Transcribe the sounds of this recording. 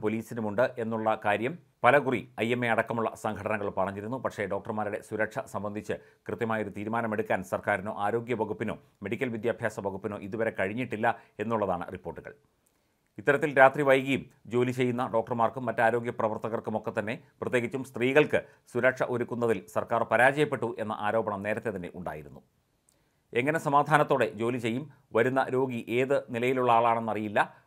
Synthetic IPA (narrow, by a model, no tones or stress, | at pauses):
po̞liːsinumuɳɖɨʔe̞nːuɭːɐkaːɾjɐm | pɐlɐkuriɐjemːeɐɽɐkːɐmuɭːɐ̰sɐŋɡʰʱɐʈɐnɐŋːɐɭpɐrɐɲːiɾunːupɐkʂe̞ɖo̞ːk̚ʈɐrmaːɾiɽe̞swuɾɐkʂɐsɐmbɐnd̪ʱit͡ɕːɨ | krɨt̪jɐmaːjoɾut̪iːɾumaːnɐme̞ɽukːaːnsɐrkaːɾino̞̰ːʔaːɾo̞ːɡjɐʋɐɣupːino̞ː | me̞ɽikʲːɐlʋid̪jaːbʱjaːsɐʋɐɣupːino̞ːʔiðuʋɐɾe̞kɐɻiɲːiʈːilːɐe̞nːuɭːɐðaːɳɨ̰ripːo̞ːrʈːuɣɐ̰ɭ | it̪ːɐɾɐt̪ːilɾaːt̪riʋɐjɣɐjumd͡ʑo̞ːlit͡ɕe̞jːunːɐɖo̞ːk̚ʈɐrmaːrkumːɐtːaːɾo̞ːɡjɐprɐʋɐrt̪ɐɣɐrkumo̞kːet̪ːɐnːe̞prɐt̪jeːɡit͡ɕːumst̪riːɣɐɭkɨ | suɾɐkʂɐʔoɾukːunːɐðilsɐrkaːrpɐɾaːd͡ʑɐjɐpːe̞ʈːuʔe̞nːɐ̰ʔaːɾo̞ːbɐɳɐmneːɾɐt̪ːe̞t̪ɐnːe̞̰ʔuɳɖa̰ːjiɾunːu | e̞ŋːɐnesɐmaːd̪ʱaːnɐt̪ːo̞ːɽe̞d͡ʑo̞ːlit͡ɕe̞jːum | ʋɐɾunːɐ̰ɾo̞ːɡiʔe̞ːðɨnilɐjiluɭːɐaːɭaːɳe̞nːɐrijilːɐ